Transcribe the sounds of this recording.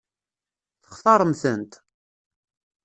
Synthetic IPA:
θə̥χθɑɾˤəmθənt̪

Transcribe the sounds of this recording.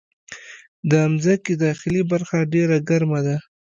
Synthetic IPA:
d̪əamzakid̪ɑxɪlibaɾxaɖeɾaɡaɾmad̪a

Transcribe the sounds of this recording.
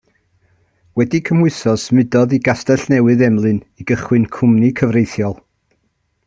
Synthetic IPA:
wɛdikʰəmwʊɨsɔsmɨdɔðiɡastɛɬnɛwɨðɛmlˠɨniɡəχwɨnkʰʊmnikʰəvrejθjɔlˠ

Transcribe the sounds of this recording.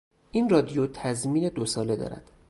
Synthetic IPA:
ʔinrɒːd̪ijot̪ʰæzmiːne̞d̪osɒːle̞d̪ɒ̰ːɾæ̰d̪̥

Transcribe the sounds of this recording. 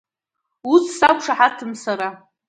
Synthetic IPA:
usʰsakʷʂaħatʰɨmsaɾa

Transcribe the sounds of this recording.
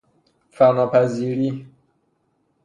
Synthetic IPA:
fænɔːpʰæziɾi

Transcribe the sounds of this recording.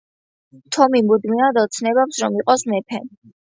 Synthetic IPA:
t̪ʰɔmimud̪minad̪ɔt̪sʰnɛβapsɾɔmiqʼɔsnɛpʰɛ̰n

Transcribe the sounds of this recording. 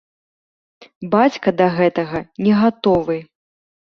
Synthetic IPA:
bat͡sʲkɐd̪ɐɣɛt̪ɐɣɐnʲɛɣat̪ɔvɨ

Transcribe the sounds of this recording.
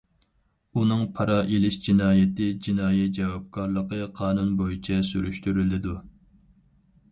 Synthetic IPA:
unɨŋpʰɑɾɑːʔelɪʃd͡ʒinɑːjɪt̪ɪd͡ʒinɑːjɛt̪̚d͡ʒɛwɑp̚kʰɑɾlˠəqəqʰɑːnunbojit͡ʃʰɛsyɾyʃt̪yɾylɪd̪u

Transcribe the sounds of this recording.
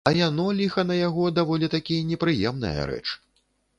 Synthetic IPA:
ɐjanɔlʲixɐnɐjaɣɔd̪avɔlʲit̪akʲijɐnʲɛpɾɨjɛmnɨ̰jɐ̰ɾɛ̰t͡ʂ

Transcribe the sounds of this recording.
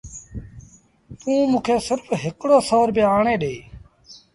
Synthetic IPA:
t̪ũːmũːkʰeːsɪɾfɦɪkɽoːsəʋəɾbeːaːɳeːɗeː

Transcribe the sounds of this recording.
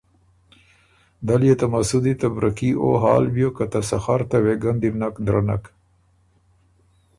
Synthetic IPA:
d̪aljet̪amasud̪it̪abɾʔakio̰ɦɑːlbjokat̪asaxaɾt̪aweɡand̪iɾnakd̪ɾana̰k

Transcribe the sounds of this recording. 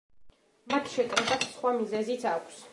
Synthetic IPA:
mat̪ʰʃɛt̪ʼɾid̪at̪ʰsχwamizɛzit̪sʰakʷʰs

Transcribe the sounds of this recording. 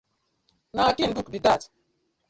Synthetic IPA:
natinbukdidat

